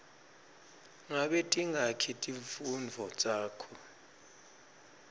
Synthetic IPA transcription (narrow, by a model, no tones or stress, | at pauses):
ŋaɓɛtʼiŋakʰitʼifund͡vʱɔt͡sʼaːkʰɔ